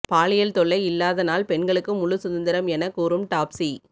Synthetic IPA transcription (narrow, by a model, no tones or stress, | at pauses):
paːɭɪjɐlt̪ɔɭːɐɪɪlːaːðɐnaːlpɛɳɡɐɭɯkːɯmʊlʊsʊðɐnd̪ɪɾɐmɛnɐkːuːɾɯmʈaːpsi